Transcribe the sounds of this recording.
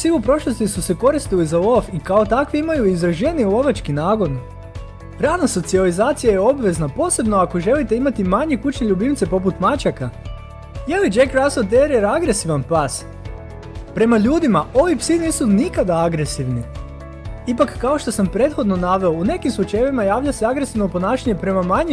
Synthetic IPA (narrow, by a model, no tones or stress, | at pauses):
psiupɾo̞ʃlˠo̞st̪isuse̞ko̞ɾist̪ilizauofikao̞t̪akʋiimajuizɾaʒe̞niulo̞ʋat͡ʃkinaːɡo̞n | ɾanaso̞t̪sializaːt̪sijajeo̞bʋe̞znapo̞ːse̞bno̞ako̞ʒe̞lit̪e̞imat̪imaɲe̞kut͡ʃɲeʎubimt̪se̞po̞put̪mat͡ʃaka | jelid͡ʒekɾasot̪eɾieɾaɡɾe̞siʋanpas | pɾe̞maʎuːd̪imaʔo̞ʋipsiniːsunikad̪aaɡɾe̞siʋni | ipakːao̞ʃt̪o̞sampɾe̞t̪xo̞d̪no̞naʋe̞oune̞kimslˠut͡ʃajeʋimajaːʋʎaseaɡɾesiʋno̞po̞naːʃaɲe̞pɾe̞mamaɲi